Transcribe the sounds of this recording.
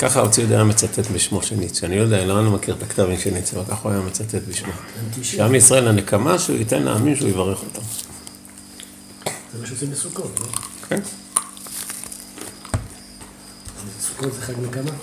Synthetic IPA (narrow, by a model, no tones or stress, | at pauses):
kaχaot͡sijodḛjame̞t͡sat̪et̪biʃmoʃenit͡sianijod̪eaenloanomakiʁt̪akt̪avimʃenit͡siavalkaχuajamet͡sat̪et̪biʃmoʃeamisʁae̞lanekamaʃeṵitenla̰aminʃeujevaʁe̞χot̪am | zemaʃtimesukotlookʰej | esu̥kotzeχaɡnekama